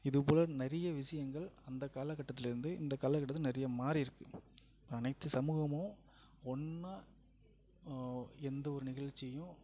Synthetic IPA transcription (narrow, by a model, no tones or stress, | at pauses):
ɪðɯpoːlɐnɛɾɐjɐʋɪʂɐjɐŋɡɐɭɐnd̪ɐkːaːlɐkːɐʈːɐt̪̬ːɪlɪɾɯnd̪ɯɪ̰nd̪ɐkːaːlɐkɐʈːɐt̪ːlnɛɾɪjɐmaːɾiɪɾɯkːɯ | pːɐnɐɪt̪ːɯsɐmuːɣɐmõː | ɔnːa | ɛnd̪ɐɔɾɯnɪɣɐɻt͡ʃːɪjʊ̃